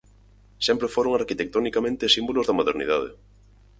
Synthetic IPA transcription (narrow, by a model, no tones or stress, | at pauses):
sɛmpɾefoɾoŋaɾkit̪ek̚t̪onikamẽnt̪ɪsimbolʊzðɐmoðeɾnḭð̞að̞ḛ